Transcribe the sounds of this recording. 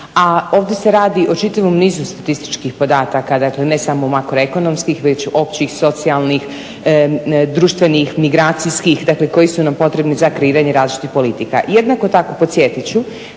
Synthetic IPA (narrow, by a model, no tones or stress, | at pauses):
ao̞ːʋd̪jese̞ɾaːd̪iʔo̞t͡ʃit̪aʋomniːzust̪at̪ist̪i̥t͡ʃkixpo̞d̪aːt̪akad̪akle̞ne̞samo̞makɾo̞eko̞no̞mskixʋe̞t͡ɕo̞pt͡ɕixso̞t̪sialˠnix | d̪ɾuːʃt̪ʋe̞nixmiɡɾaːt̪siskixd̪akle̞ko̞jisunampo̞t̪ɾe̞bnizakɾeiːɾaɲeɾaːzlit͡ʃit̪ixpo̞lit̪ika̰jed̪nako̞t̪ako̞po̞t̪sjet̪it͡ɕu